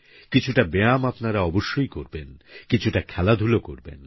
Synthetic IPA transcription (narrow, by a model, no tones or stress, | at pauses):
kit͡ɕʰuʈabeamapnaɾaɔboʃːojkoɾbenkit͡ɕʰuʈakʰɛlad̪ʱuloko̰ɾbḛn